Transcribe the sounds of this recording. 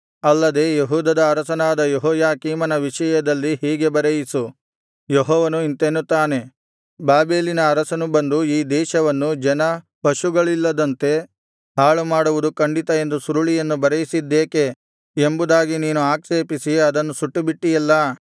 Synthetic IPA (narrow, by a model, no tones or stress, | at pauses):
ɐlːɐd̪e̞jeɦuːd̪ɐd̪ɐːɾɐsɐnaːd̪ɐjɔɦɔːjaːkiːmɐnɐʋiʃɐjɐd̪ɐlːiɦiːɡe̞bɐɾejisu | joɦɔːʋɐnuint̪enut̪ːaːne̞ | baːbe̞ːlinɐːɾɐsɐnubɐnd̪uiːd̪ɛːʃɐʋɐnːud͡ʒɛnɐ | pɐʃuɡɐɭilːɐd̪ɐnt̪e̞ | ɦaːɭumaːɽuʋud̪ukɐɳɖit̪ɐe̞nd̪usuɾuɭijɐnːubɐɾɐjisid̪ːeːke̞ | embud̪aːɡiniːnuaːkʃeːpisiɐd̪ɐnːusuʈːubiʈːijɐlːɐ